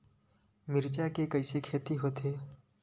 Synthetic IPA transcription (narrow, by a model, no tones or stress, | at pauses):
mɪɾt͡ʃakekɐɪsekʰeːt̪iɦoːt̪ʰeː